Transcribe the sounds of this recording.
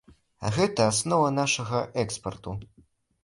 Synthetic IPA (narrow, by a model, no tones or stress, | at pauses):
a̰ɣɛt̪ɐːsnɔvɐnaʂɐɣɐʔɛkspɐrt̪u